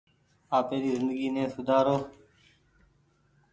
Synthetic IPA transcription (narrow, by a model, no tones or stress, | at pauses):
aːpeːɾiːzɪnd̪əɡiːnẽːsʊd̪ʱaːɾoː